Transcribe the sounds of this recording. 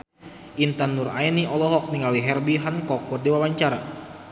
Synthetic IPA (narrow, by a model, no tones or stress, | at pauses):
int̪anːuraɛniɔlɔɦɔk̚niŋaliɦɛrbiɦankɔk̚ːɔrdiwawaɲt͡ʃaɾa